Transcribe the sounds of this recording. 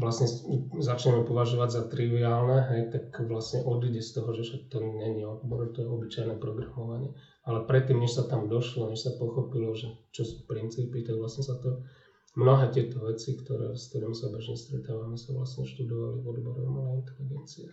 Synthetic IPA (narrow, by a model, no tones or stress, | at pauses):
lasɲɛzat͡ʃɲɛmɛpɔʋaʒɔʋaɟzat̪ɾiʋiaːlnɛɦɛjt̪akʋlasɲɛʔɔd̪iɟɛst̪ɔɦɔʒɛsat̪ɛnɲɛɲiɔd̪̚bɔɾɔt̪ɔjɛɔbit͡ʃajnɛpɾɔɡɾamɔʋaɲɪɛ | alɛpɾɛt̪ːiːmɲɛʃsat̪amd̪ɔʃlɔɲɛʃsapɔxɔpilɔʒɛt͡ʃɔsu̥ːpɾint͡siːpit̪aɡʋlasɲɛsat̪ɔ | mnɔɦɛːt̪ɪɛt̪ɔʋɛt͡sikt̪ɔɾɛ̰ːst̪ɛd̪ɔmsabɛʒɲɛst̪ɾɛt̪aːʋamɛsaʋla̰sɲɛʃt̪ud̪ɔʋa̰livɔd̪bɔɾɔ̰malɛint̪ɛliɡɛnt͡siɛ